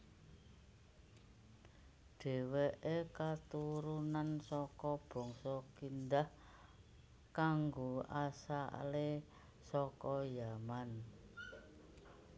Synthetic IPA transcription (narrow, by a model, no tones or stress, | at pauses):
ɖ̥e̤weʔekat̪uɾunansɔkɔb̥ɔ̤ŋsɔkind̪ah | kaŋɡoasaʔle | sɔkɔjaman